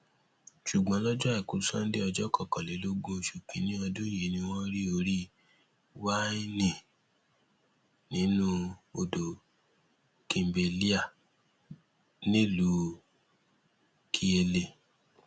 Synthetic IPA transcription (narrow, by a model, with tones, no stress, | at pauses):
ʃu˨ɡ͡bã˨˦lɔ˦d͡ʒɔ˦ɛ˦˨ku˨˦sã˦n̩˦de˦ɔ˧d͡ʒɔ˦kɔ˦˨kɔ̃˨le˨˦lo˦ɡo˦˧˨ʃu˨k͡pĩ˨˧˦nĩ˦ɔ˧dũ˦je˨˦nĩ˧w̃ɔ̃˦ɾi˦o˧ɾi˦ | wa˦i˦nĩ˨ | nĩ˨˦nũ˦o˧do˨ | kĩ˨m˨be˨li˦a˦˨ | nĩ˦lu˨˦ | kʰi˧˦e˧le˨